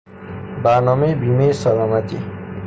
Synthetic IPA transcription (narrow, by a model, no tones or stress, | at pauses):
banʌmebimesʌlamʌt̪ḭ